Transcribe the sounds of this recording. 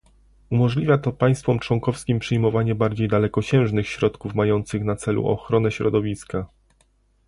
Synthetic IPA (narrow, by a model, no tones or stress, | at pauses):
umɔʐlʲivʲjat̪ɔpaj̃st̪fɔmt͡ʂwɔŋkɔfskʲimpʂɘjmɔvaɲɛbaɾd͡ʑejd̪alɛkɔt͡ɕɛ̃w̃ʐnɘxɕɾɔt̪kufmajɔnt̪sɘxnat̪sɛlṵʔɔ̰xɾɔnɛɕɾɔd̪ɔvʲiska